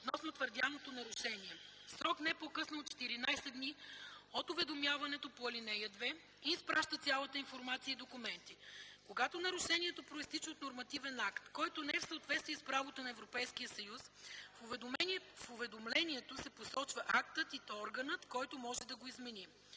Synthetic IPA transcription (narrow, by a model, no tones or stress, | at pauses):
ot̪nɔsnot̪vəɾd̪janot̪onɐɾʊʃɛniɛsɾɔknɛpokɤsnɐot̚t͡ʃːɛ̥t̪iɾinajsɛd̪d̪niot̪ʊvɛd̪omjavɐnɛt̪opoɐlinɛjəd̪vɛ | iːspɾaʃt̪ət̪sʲalˠət̪əinfoɾmat̪siəid̪okumɛnt̪ikoɡat̪onɐɾʊʃɛniɛt̪opɾoist̪it͡ʃəot̪noɾmɐt̪ivɛnakt̪kɔjt̪onɛɛfsəːt̪vɛt̪st̪viɛspɾavot̪ənɐɛvɾopɛjskijəsɐjusfʊvmɛfʊvɛd̪omlɛniɛt̪osɛposɔt͡ʃvɐʔakt̪ət̪iɔɾɡənət̪kɔjt̪omɔʒɛd̪ɐɡoizmɛni